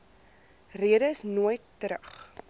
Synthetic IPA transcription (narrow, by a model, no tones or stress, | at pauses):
riəɾəsnuəjtːəɾəχ